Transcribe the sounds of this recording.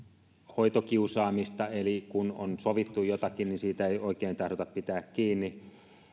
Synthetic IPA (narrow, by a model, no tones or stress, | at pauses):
hoit̪okiusɑːmist̪ɑelikuno̰nsoʋit̪ːujot̪ɑkinninsiːt̪æeˑijoˑikeːnt̪ɑhɾot̪ɑppit̪æːkkiːnːi